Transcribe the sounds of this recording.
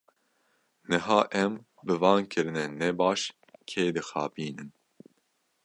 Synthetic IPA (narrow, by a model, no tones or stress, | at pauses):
nɨɦɑːʔɛm | bɨvɑːnkʰɨɾɨnɛnɛbɑːʃ | kʰeːd̪ɨxɑ̰ːpiːnɨn